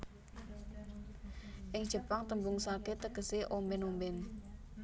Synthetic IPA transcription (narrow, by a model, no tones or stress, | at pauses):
ʔɪŋd̥ʒ̥ə̤paŋt̪əmbuŋsalket̪əɡ̥əseʔombɪnombɪn